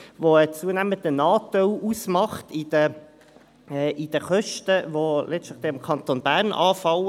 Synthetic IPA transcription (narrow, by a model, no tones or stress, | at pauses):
ʋoət͡suənæməndənɑːtœlusmɑχtid̥ə | ɛːʔid̥əχœʃtəʋolɛstləχd̥̪eːɪmkʰɑnt̪onbæːʁnʔɑːfɑl